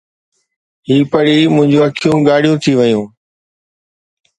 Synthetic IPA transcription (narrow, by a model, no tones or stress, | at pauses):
ɦiːpəɽiːmʊ̃ɦɪ̃ɲd͡ʑũɐkʰijũːɡaːɽijũt̪ʰiʋəjũː